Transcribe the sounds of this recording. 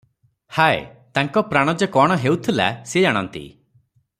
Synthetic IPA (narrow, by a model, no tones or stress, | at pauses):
haḛt̪aŋkɔpɾaɽ̃ɔd͡ʒekɔɽ̃ɔɦewt̪ʰila̰sed͡ʒaɽ̃ɔ̰nt̪ḭ